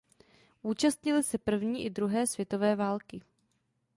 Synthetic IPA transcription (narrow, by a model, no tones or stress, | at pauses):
ʔuːt͡ʃast̪ɲɪlɪsɛpr̩vɲiːʔɪdɾuɦɛːsvjɛt̪o̞vɛːvaːlkɪ